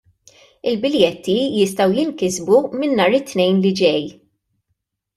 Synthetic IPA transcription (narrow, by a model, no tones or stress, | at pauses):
ɪlbɪljɛt̪ʰːijɪst̪ɐwjɪnkɪzbumɪnːɐːɾɪt̪ːnɛjnlid͡ʒɛj